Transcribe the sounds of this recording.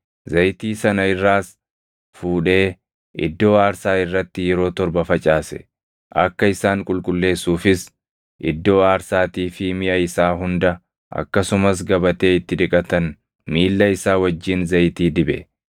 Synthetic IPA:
zɐjt̪iːsɐnɐɪrːaːs | fuːᶑe̞ː | ɪ̰d̪ːo̞ːaːɾsaːɪrːɐt̪ːɪjɛɾo̞ːt̪ɔɾbɐfɐt͡ʃʼaːsɛ̰ | ʔɐkːɐɪsaːŋkʼʊlkʼʊlːe̞ːsːuːfɪs | ʔɪ̰d̪ːo̞ːaːɾsaːt̪iːfɪmɪʔɐɪsaːɦʊnd̪ɐ | ʔɐ̰kːɐsʊmɐs̬ɡɐbɐt̪e̞ːɪt̪ːɪᶑ̪ɪkʼɐt̪ɐn | miːlːɐɪsaːwɐd͡ʒːiːnzɐjt̪iːd̪ɪbɛ̰

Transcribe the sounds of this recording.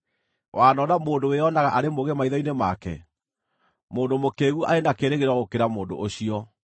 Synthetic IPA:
waːnɔnamoːndoweɔnaɣaʔaɾemoɣemaiðɔinemakɛ̰ | moːndomokeːɣuʔa̰enakeɾeɣeɾwaɣokeɾamoːndo̰ʔoɕiɔ

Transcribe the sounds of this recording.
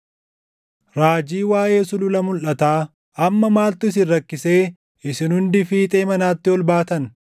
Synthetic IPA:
ɾaːd͡ʒiːwaːje̞ːsʊlʊlɐmʊlʔɐt̪aː | ɐmːɐmaːlt̪ʊɪs̬ɪnɾɐkːɪse̞ː | ʔɪsɪnhʊnd̪ɪfiːt̪ʼeːmɐnaːt̪ːɪɔlbaːt̪ɐn

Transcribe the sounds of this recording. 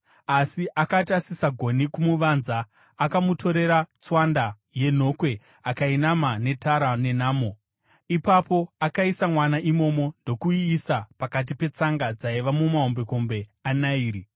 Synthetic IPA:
asiʔakatasisaɡʱo̞nikumuʋanzaː | kamutʰo̞ɾe̞ɾat͡swanda | je̞n̤o̞kwe̞ | akainamane̞taɾane̞naːmo̞ | ipapo̞akaisamwanaʔimo̞mo̞ndo̞kuiːsapakat̬ipe̞t͡saŋɡad͡zaiʋamumaɦombe̞ko̞mbe̞anaiːɾi

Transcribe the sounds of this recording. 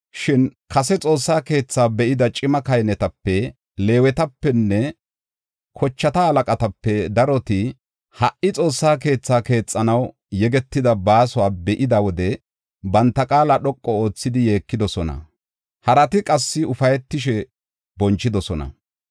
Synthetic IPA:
ʃɪnkɐsɛt͡sʼo̞ːsːaːke̞ːt͡sːaːbɛʔɪd̪ɐt͡ʃʼɪmɐkɐjnɛt̪ɐpːɛ | le̞ːwɛt̪ɐpːɛnːɛ | kʰɔt͡ʃːɐt̪ɐɐlɐkʼɐt̪ɐpːɛd̪ɐɾɔt̪ɪ | hɐʔɪt͡sʼo̞ːsːaːk̬e̞ːt͡sːaːke̞ːt͡sʼːɐnɐw | jɛɡɛt̪ːɪd̪ɐbaːsʊwaːbɛʔɪd̪ɐwɔd̪ɛ | bɐnt̪ːɐkʼaːlɐɗɔkʼːɔo̞ːt͡sːɪd̪ɪje̞ːkːɪd̪ɔsɔnɐ̰ | hɐɾɐt̪ɪkʼɐsːɪʊfɐjɛt̪ːɪʃɛ | bɔnt͡ʃːɪd̪ɔsɔnɐ̰

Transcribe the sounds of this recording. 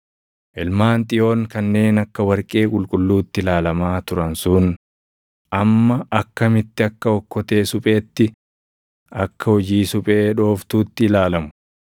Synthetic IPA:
ʔɪlmaːnt̪ʼɪjo̞ːŋkɐnːe̞ːnɐkːɐwɐɾkʼe̞ːkʼʊlkʼʊlːuːt̪ːɪlaːlɐmaːt̪ʊɾɐnsʊn | ʔɐmːɐɐkːɐmɪt̪ːɪɐkːɐɔkːɔt̪e̞ːsʊpʼe̞ːt̪ːɪ | ɐkːɐhɔd͡ʒiːsʊpʼe̞ːᶑo̞ːft̪uːt̪ːɪlaːlɐmʊ̥

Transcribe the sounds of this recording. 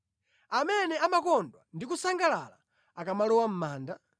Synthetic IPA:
amɛnɛamakɔndwandikusaŋɡalala̰ | akamalɔwam̩maːnda

